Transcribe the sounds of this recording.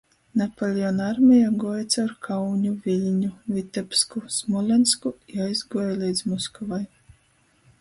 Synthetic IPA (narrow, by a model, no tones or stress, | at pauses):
nɛpɔlʲiɔnaɾmʲɛjaɡuɔjt̪sawɾkʰawɲʲuvʲilʲɲuvʲit̪ɛpskusmɔlʲɛnskujajzɡuɔjlʲˠijd̪zmɔskɔvaj